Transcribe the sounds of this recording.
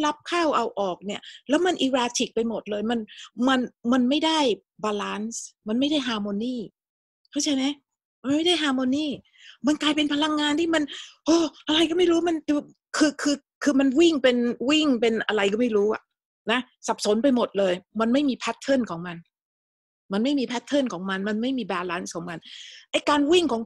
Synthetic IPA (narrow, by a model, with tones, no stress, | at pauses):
la˦˥p̚kʰaː˥˩wʔa˧wʔɔː˨˩k̚ni˥˩ɐlɛː˦˥wma˧nʔiː˧ɾaː˧t̪ʰi˨˩k̚pa˧jmo˨˩t̪̚lɤː˧jma˧nma˧nma˧nma˥˩jda˥˩j | baː˧laː˦˥nsma˧nma˥˩jda˥˩jɦaː˧moː˧niː˥˩ | kʰa˥˩t͡ɕa˧˥jma˦˥j | ma˧nma˥˩jda˥˩jɦaː˧moː˧niː˥˩ | ma˧nklaː˧jpe˧npʰa˧la˧ŋːaː˧nt̪ʰiː˥˩ma˧nʔoː˧˩ʔa˧ɾa˧jkɔ˥˩ma˥˩jɾuː˦˥ma˧nt͡ɕu˧˩ | kʰɯː˧kʰɯː˧ | kʰɯː˧ma˧nwi˥˩ŋpe˧nwi˥˩ŋpe˧nʔa̰˧ɾa˧jkɔː˥˩ma˥˩jɾuː˦˥ʔa̰˨˩ʔ | na˦˥ | sa˨˩p̚so˩˦npa˧jmo˨˩t̪̚lɤː˧jma˧nma˥˩jmiː˧pʰa˦˥t̪ʰːɤ˥˩nkʰɔː˩˦ŋma˧n | ma˧nma˥˩jmiː˧pʰa˦˥t̪ʰːɤ˥˩nkʰɔː˩˦ŋma˧nma˧nma˥˩jmiː˧baː˧laː˦˥nskʰɔː˩˦ŋma˧nʔa˥˩jkaː˧nwi˥˩ŋkʰɔː˩˦ŋ